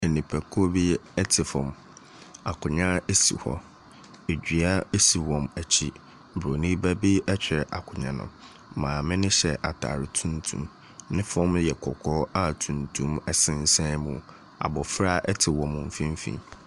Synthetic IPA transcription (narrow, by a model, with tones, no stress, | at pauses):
e˨nĩ˨pʰæ˨kʰo˦bi˦ɛ˦tʰɪ˨fɔ̰̃˨m | a˨kʰʊ˨ɲã˦e˦sḭ˨hɔ̰˦ | e˨d͡ʑᶣi˨a˦e˦si˨wɔ̃˨mæ˨t͡ɕʰi˦˨ | bɾo˨nĩ˦bæ˦bi˦ɛ˦t͡ɕᶣɪ˨ɾʔa˨kʰʊ˨ɲã˨nʊ̰̃˨˦ | mãː˨mɪ̃˦nɪ̃˦ɕɛ˨ʔa˨tʰa̰ː˨ɾɪ˨tʰũ˦ntʰṵ̃˦m | nɪ̃˦fɔ̃˦mjɛ˨kʰɔ˨kʰɔ˦a˦tʰũ˨ntʰũ˦mɛ˨sɪ̃˦n̩˦sã˦mũ˨ | a̰˨bɔ˨fɾa˦ʔɛ˦tʰɪ˨wɔ̃˨m̃˨m̩˦fĩ˦m˦fḭ̃˦˨